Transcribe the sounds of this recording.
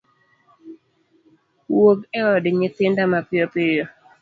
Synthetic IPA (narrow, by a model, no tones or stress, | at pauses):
wokɛɔdɪɲɪt̪ɪndamapjopɪjo